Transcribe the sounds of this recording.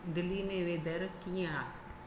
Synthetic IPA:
d̪ɪlːiːnẽːʋeːd̪əɾkijã

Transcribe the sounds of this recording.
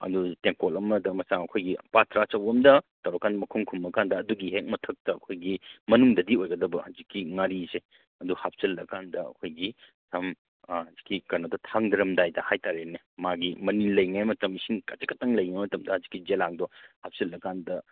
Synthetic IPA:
ɐ̰duteŋkolɐmɐdɐmɐsaŋɐkʰojɡipatɾat͡ʃɐwɐmdɐtɐwɾɐkːandɐmɐkʰuŋkʰumːɐkandɐːduɡiɦek̚mɐtʰɐk̚tɐːkʰojɡimɐnuŋdɐdiojɡɐdɐbɐhɐzikːiŋaɾise | ɐduhap̚sɐlːɐkandɐɐ̰kʰojɡi | sam | hɐzikːikɐnodɐtʰaŋdɐɾɐmdajdɐhajtaɾene | maɡimɐnilɐjŋemɐtɐmisiŋkɐt͡ʃɐkɐtaŋlɐjŋemɐtɐmdɐhɐzikːid͡ʒelaŋdɔhap̚sɐlːɐkandɐ

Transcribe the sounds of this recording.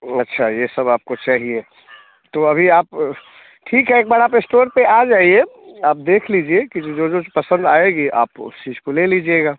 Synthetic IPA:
ɐtːʃʰajesɐbaːp̚kot͡ʃaːɦie | t̪oɐbʱiaːp | ʈʰiːkɦɛeːk̚bɐɽapesʈoːɾpead͡ʒaːieaːp̚d̪eːkʰlid͡ʒiekid͡ʒd͡ʒod͡ʒopɐsə̃nd̪aːeɡiʔa̰ːpʊ̰st͡ʃiːd͡ʒkoleliːd͡ʒieɡaː

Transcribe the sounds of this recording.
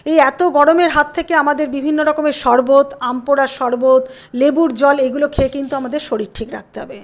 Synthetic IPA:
ejɛt̪oɡɔɽomeɾɦat̪ʰːekeamad̪eɾbibʱinːoɾɔkomeʃɔɾbot̪ampoɽaʃɔɾbot̪ | lebuɾd͡ʑɔleɡulokʰekint̪uamad̪eɾʃoɾiɾʈʰikɾa̰k̚t̪eɦɔ̰be

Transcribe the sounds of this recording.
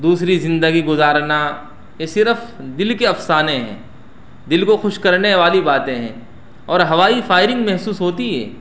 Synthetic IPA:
d̪uːsɾizɪ̃nd̪əɡiɡʊzaːɾna | jesɪɾəfd̪ɪlkeɐfsaːnẽɦɛ̰̃ː | d̪ɪlkoxʊʃkɐɾneʋaːlibaːt̪ẽɦɛ̰̃ː | ɔːɾɦɐʋaːifaːɪɾɪ̃ŋɡmɛɦsuːsɦoːt̪iɦɛ̰ː

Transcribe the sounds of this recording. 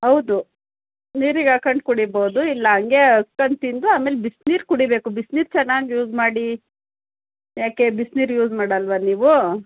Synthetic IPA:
ɦɐwd̪u | niːɾiɡakɐɳɖkuɽiboːd̪uilːɐɦɐŋɡeɐkːɐɳɖt̪ind̪uaːme̞ːlebisniːɾkuɽibeːkubisniːɾt͡ʃɛnːaːɡjuːd͡ʒmaːɽi | jaːke̞bisniːɾjuːzmaːɽɐlʋɐniːʋu

